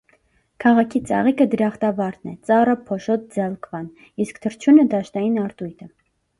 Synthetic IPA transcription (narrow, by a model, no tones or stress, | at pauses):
kʰɑʁɑkʰit͡sɑ̰ʁikəd̪əɾɑχt̪ɑvɑɾt̪nɛ̰t͡sɑrəpʰɔʃɔt̪̚d͡zɑlkvɑn | iskt̪ʰəɾt͡ʃʰunəd̪ɑʃt̪ɑjinɑɾt̪ujt̪ʰə